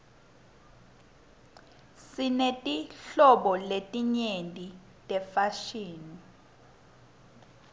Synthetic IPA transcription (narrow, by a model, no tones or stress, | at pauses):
sinetʼiɬɔɓɔletʼiɲentʼi | tʼɛfaʃiːni